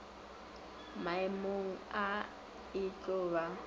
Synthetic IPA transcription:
majmuŋ̩a | it͡ɬʼʊːβa

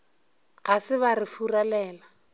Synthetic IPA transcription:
ɣasɪβarɪfuralɛːla

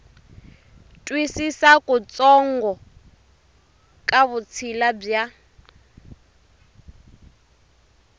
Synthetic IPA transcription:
tʼwisisakʼut͡sʼɔŋɡɔ | kʼaβut͡sʰilabja

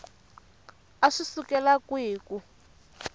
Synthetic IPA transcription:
aʂisukɛlakwiːku

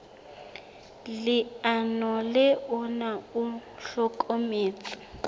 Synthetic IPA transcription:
lɪanɔlɛɔnauɬɔkʼomeːt͡si̥

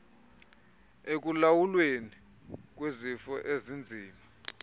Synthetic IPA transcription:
ek̬ʼulawulweni | k̬ʼwezifɔʔezind͡zʱiːma

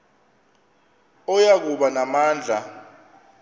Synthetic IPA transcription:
ɔjak̬uɓanamaːnd͡ɮʱa

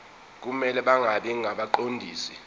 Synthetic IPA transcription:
k̬umɛlɛɓaŋaɓiŋʱaɓaǃondʱiːsi

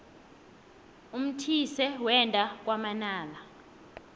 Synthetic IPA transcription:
um̩tʰisɛwɛntʼak̬ʼwamanaːla

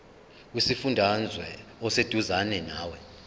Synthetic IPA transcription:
k̬wisifundʱand͡zʱwɛɔsed̥ʱuzanɛnaːwɛ

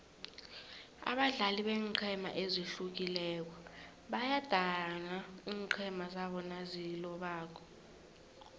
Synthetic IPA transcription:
a̰ɓaɮaliɓɛːŋǃʰɛma̰ʔeziɬuk̬ilɛk̬ɔ | ɓajad̥ʱaŋaiːŋǃʰɛmazaɓɔnazilɔɓaːkʰɔ̥

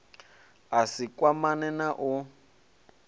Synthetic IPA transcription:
asikwamanɛnaʔʊ

